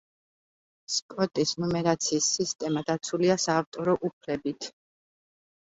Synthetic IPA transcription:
spʼɔt̪ʼisnɔmɛɾat̪sʰiːsːist̪ʼɛmad̪at̪sʰuliasaːft̪ʼɔɾɔʔupʰlɛbit̪ʰ

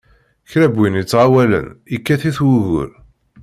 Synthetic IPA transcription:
çɾæbːinit͡sːʕawælə̰nikːæθiθwuɣʊ̰ɾ

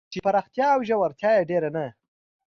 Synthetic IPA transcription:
t͡ʃepaɾɑxt̪jɑːwʒawaɾt̪jɑjeɖeɾana

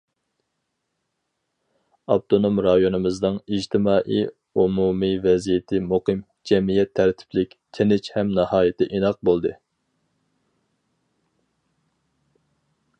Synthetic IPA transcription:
ɑb̚t̪ʰonomɾɑjonɨmɨznɨŋid͡ʒt̪ʰɪmɑːʔij | umumivɛzijet̪ʰɪmuqɨm | d͡ʒɛmijɛt̪ʰːæɾt̪ʰɪ̥pʰlɪkʲt̪ʰenɪt͡ʃhɛmnɑhɑːjɪt̪ʰɪʔinɑq̚bolˠd̪ɨ

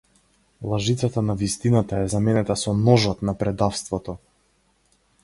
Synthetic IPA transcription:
lˠaʒit̪sat̪anavist̪inat̪aɛzamɛnɛt̪asɔnɔʒɔt̪napɾɛd̪afst̪vɔt̪ɔ

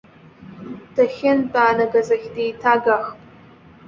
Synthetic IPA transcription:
dʰaxʲɪntʼaːnaɡazaχʲdejtʰaɡaχpʼ

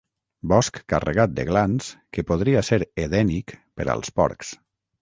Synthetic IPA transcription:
bɔskːa̰rḛɣat̪̚d̪ə̰ɣlanskepoðɾiaseɾeðɛnikpəɾə̰lˠspɔ̰ɾks

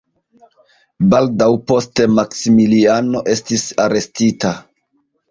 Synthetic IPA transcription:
baldawpo̞ste̞maksimiliano̞ʔe̞stisaɾe̞stita

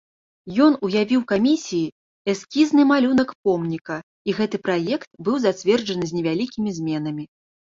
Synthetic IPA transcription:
jɔn̪ujavʲiwkamʲisʲiji | ɛskʲiznɨmalʲun̪ɐkpɔmnʲikɐ | iɣɛt̪ɨpɾajɛkt̪̚bɨwzat͡sʲvʲɛrd͡ʐɐnɨzʲnʲɛvʲalʲikʲimʲizʲmʲɛn̪ɐmʲi

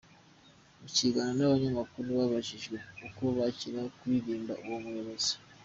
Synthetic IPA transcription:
muciɡananaβaɲamakuɾuβaβaʒiʒɡwe̞uko̞βaciɾakuwiɾiːmbaʔuwomuɾaβazi̥

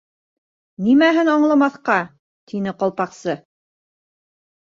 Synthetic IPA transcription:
nimæɦɘnɑɴlˠɑmɑθqɑ | t̪ʰinɘqɑlˠpɑqsɤ

